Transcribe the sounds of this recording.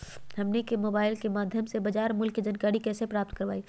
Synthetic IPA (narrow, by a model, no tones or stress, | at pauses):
ɦɐmnekemoːbaːɪlkemaːd̪ʱjəmsebɐd͡ʒaːɾmʊlkːid͡ʒənkaːɾikɛːsepɾaːp̚t̪kəɾʋaːi